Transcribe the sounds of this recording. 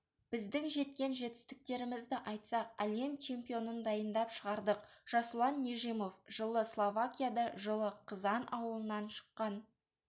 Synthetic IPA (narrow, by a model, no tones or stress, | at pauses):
b̥ɪzd̪ɪŋʒe̞t̪kʲe̞nʒe̞t̪ɪ̥st̪ɪk̚t̪e̞ɾɪmɪzd̪ɪʔɑjt̪sɑq̚æle̞mt͡ʃʰe̞mpʲijo̞nənd̪ɑjənd̪ɑpʃəʁɑɾd̪əqʒ̥ɑslˠɑnːeʒimo̞fʒ̥əlˠəslˠovakʲijad̪ɑʒəlˠəqʰəzɑnʔɑwəlˠənɑnʃə̥qːɑn